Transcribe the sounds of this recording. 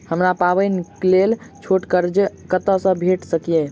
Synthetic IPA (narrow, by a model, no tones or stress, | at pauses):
həmɾapabənklelt͡ʃʰoʈkəɾd͡ʒkət̪əsə̃bʱeʈsəkije